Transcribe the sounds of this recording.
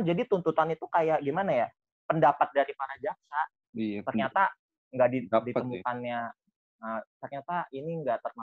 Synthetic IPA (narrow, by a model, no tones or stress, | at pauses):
d͡ʒadit̪unt̪ut̪anit̪ukajaʔɡimanaja | pəndapat̪̚daɾipaɾad͡ʒaksa | t̪ərɲat̪a | ŋɡaʔdiditəmukanɲa | ət̪ərɲat̪ainiŋɡaʔt̪ərma